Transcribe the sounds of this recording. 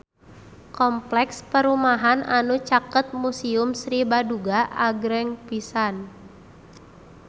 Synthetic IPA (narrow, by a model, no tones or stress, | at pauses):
kɔmplɛkspəɾumaɦananut͡ʃakət̪̚musiʊmsɾibaduɡaʔaɡɾɛŋpisan